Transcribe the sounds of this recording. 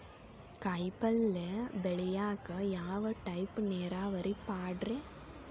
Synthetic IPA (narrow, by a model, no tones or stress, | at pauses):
kɐɪpɐlːebɛɭɪjaːkɐjaːʋɐʈɐɪpneːɾaːʋɐɾipaːɖɾeː